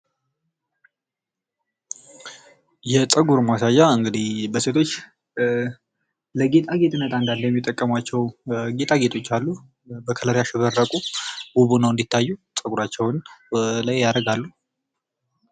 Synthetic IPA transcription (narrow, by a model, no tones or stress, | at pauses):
jɛt͡sʼəɡuɾmasajːaɨŋɡɨd̪ibəse̞t̪ʰo̞t͡ʃː | ləɡe̞t̪ʼaɡe̞t̪ʼɨnːət̪ʼand̪alːəjɛmːit̪ʼːəkʼːəmat͡ʃːɛwɡe̞t̪ʰʼaɡe̞t̪ʰo̞t͡ʃːalːu | bəkʰələɾjaʃɪβəɾːəkʼubuβunəwɨnd̪it̪ʰːajːusʼəɡuɾat͡ʃːɛwnlajjaɾəɡalːu